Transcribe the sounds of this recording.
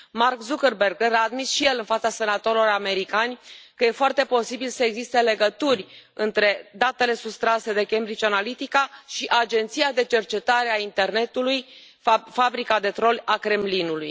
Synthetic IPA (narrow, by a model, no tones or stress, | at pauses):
markzukərberɡɾaːd̪misʃije̞lɨnfat̪sase̞nat̪o̞ɾilo̞rame̞ɾikanʲkəje̞foart̪e̞po̞sibilsəeɡzist̪e̞le̞ɡət̪urʲɨnt̪ɾe̞d̪at̪e̞le̞sust̪ɾase̞d̪e̞kembɾit͡ʃanalit̪ikaʃiʔad͡ʒe̞nt̪sijad̪e̞t͡ʃe̞rt͡ʃe̞t̪aɾe̞aint̪e̞rne̞t̪uluj | fabɾikad̪e̞t̪ɾo̞lʲakɾe̞mlinuluj